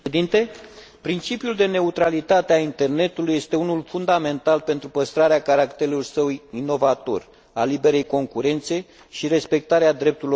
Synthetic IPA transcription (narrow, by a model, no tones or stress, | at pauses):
d̪int̪e̞ | pɾint͡ʃipjuld̪e̞ne̞ut̪ɾalit̪at̪eaint̪e̞rne̞t̪uluje̞st̪e̞unulfund̪ame̞nt̪alpe̞nt̪ɾupəst̪ɾaɾeakaɾakt̪e̞lursəwino̞vat̪o̞̰r | alibe̞ɾe̞jko̞ŋkuɾe̞nt̪se̞ | ʃiɾe̞spe̞k̚t̪aɾead̪ɾe̞p̚t̪uɾl